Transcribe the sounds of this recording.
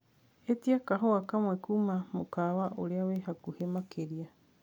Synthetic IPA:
et̪iakaɦoakamwekumamokawaʔoɾeaweɦakuhemakʰeɾia

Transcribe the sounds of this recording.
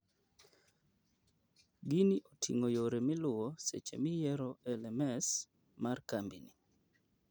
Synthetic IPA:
ɡiniʔotʰḭŋojoɾemɪlʊosḛt͡ʃḛmɪjɛɾɔɛlɛmɛs | markambini

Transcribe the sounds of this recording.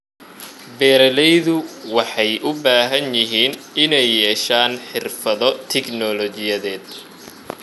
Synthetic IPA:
bɛːɾɐlɛjðʊwɑħɑjʔʊbaːɦɐnjɪɦiːnɪnɛjːɛːʃaːnħɪrfɐðɔt̪ʰɛɡnɔlɔt͡ʃɪjɐðɛːd̪

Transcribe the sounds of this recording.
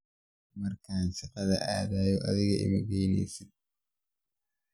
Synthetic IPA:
mɐrkʰaːnsɪqɐðɐʔaːðaːjɔʔɐðɪɣɐʔɪ̰mɪɣɛjnɛ̰jsɪd̪̚

